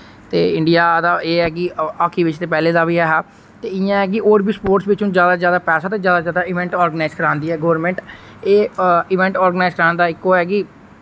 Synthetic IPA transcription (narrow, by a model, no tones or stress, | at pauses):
t̪eːɪɳɖɪjaːd̪aːeːɦɛːkɪaːkʰiːʋɪt͡ʃt̪eːpɛːleːd̪aːʋiːɦɛːɦaː | t̪eːɪãɦɛːk̬ɪʔoːɾbiːspoːɾʈsʋɪt͡ʃũːzjaːd̪aːzjaːd̪aːpɛːsaːt̪eːzjaːd̪aːzjaːd̪aːɪʋɛ̃ɳʈɔːɾɡənaɪzkəɾãːnd̪iːɦɛːɡoːʋɾmɛ̃ːɳʈ | eːɪʋɛ̃ːɳʈɔːɾɡənaːɪzkəɾãːnd̪aːɪkːoːɛːkɪ